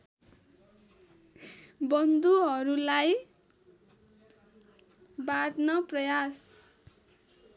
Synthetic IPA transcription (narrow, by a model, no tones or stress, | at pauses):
bʌnd̪uɦʌɾulaj | baɽnʌprʌjas